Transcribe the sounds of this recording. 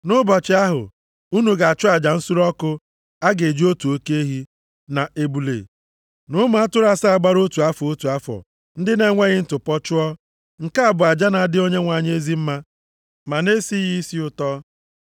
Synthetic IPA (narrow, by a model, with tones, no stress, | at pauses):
nʊ˦bɔ˨t͡ʃɪ˨˦a˦ɦʊ̰˨ | u˦nu˨ɡa˨a˨t͡ʃʊ˦a˨d͡ʒa˨n̩˦su˦ɾɔ˦kʊ˦ | a˦ɡe˨d͡ʒi˦o˦tu˨o˦ke˦ɦi˦ | na˨ʔe˦bu˨lḛ˨ | nʊ˦mʊ˨˦a˦tʊ˦ɾa˦sa˦a˨ɡ͡ba˦ɾo˦tu˨a˦fɔ˨o˦tu˨a˦fɔ̰˨ | n̩˦dɪ˦ne˦ŋʷe˦ɣɪ˦n̩˦tʊ˨pɔ˦t͡ʃʊ˦ɔ˦ | ŋ̩˨ka˦a˨bʊ˨a˨d͡ʒa˦na˨dɪ˦o˦ɲe˦ŋʷa˨ɲ˦e˦zi˦m̩˦ma˦ | ma˨ne˦si˦ji˦si˦ʊ˨tɔ˦